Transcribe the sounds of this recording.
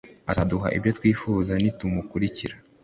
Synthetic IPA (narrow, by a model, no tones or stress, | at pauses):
azaduɦa̰ʔḭbjo̞twiːfuːzanitumukuɾiciɾa